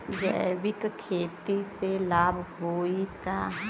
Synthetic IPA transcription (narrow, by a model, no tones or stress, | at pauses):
d͡ʒə̰ɪʋɪkkʰeːt̪iselaːbʱɦoːika